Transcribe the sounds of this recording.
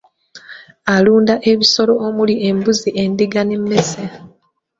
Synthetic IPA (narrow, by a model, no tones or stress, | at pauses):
aluːndaʔe̞βiso̞lo̞omulie̞mbuziʔe̞ndiɡanemːe̞se